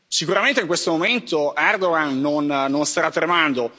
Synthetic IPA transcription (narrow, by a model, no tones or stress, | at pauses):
sikuɾament̪eiŋkwest̪omoment̪oɛrd̪oɡanːonːonst̪aɾat̪ːɾemand̪o